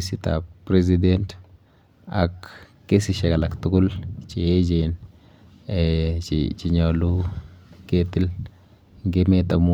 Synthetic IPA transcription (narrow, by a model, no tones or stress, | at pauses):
sit̪a̰pɾez̬ident | akː | esiʃakalakt̪ukult͡ʃied͡ʒen | t͡ʃḭt͡ʃiɲolu | ket̪il | ŋɡemet̪amu